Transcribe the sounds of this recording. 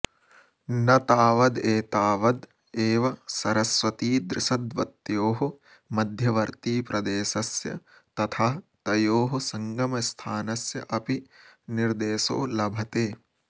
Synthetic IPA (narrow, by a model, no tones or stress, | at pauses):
nɐt̪aːʋɐd̪eːt̪aːʋɐd̪ | eːʋɐsɐɾɐsʋɐt̪iːd̪ɾɪʃɐd̪ʋɐt̪joːɦu | mɐd̪ʱjɐʋɐɾt̪iːpɾɐd̪eːʃɐsjɐ̰ | t̪ɐt̪ʰaːt̪ɐjoːɦɐsɐŋɡɐmɐst̪ʰaːnɐsjɐ̰ʔɐpiniɾd̪eːso̰ːlɐbʱɐt̪eː